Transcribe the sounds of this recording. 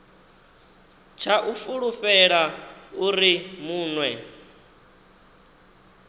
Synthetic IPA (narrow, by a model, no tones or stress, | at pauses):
t͡ʃʰaʔufuɺuɸɛɺauɾimuːnwɛ